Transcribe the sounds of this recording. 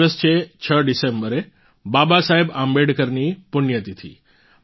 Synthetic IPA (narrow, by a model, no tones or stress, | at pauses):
əst͡ɕʰeːt͡ɕʰəɖɪsẽːmbəɾe | baːbasaːɦɪbãːmbeːɖkɐɾnipʊnjət̪it̪ʰḭː